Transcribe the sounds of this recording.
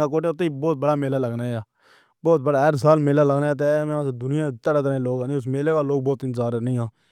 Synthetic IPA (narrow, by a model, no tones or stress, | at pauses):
aːkoːʈeʊt̪ːeibɔːt̪̚bəɽaːmeːlaːləɡnaːaː | bɔːt̪̚bəɽaːɛɾsaːlmeːlaːləɡnaːeːt̪̬emãːsd̪ʊnɪjãːt̪əɽaːt̪əɾẽːloːɡãːnĩʊs̬meːleːɡaːloːɡ̚bɔːt̪ɪ̃nzaːɾnəĩːɦãː